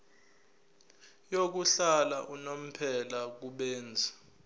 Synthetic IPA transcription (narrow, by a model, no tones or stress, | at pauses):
jok̬uɬalaʔunom̩pʰɛlak̬uɓɛːnd͡zʱa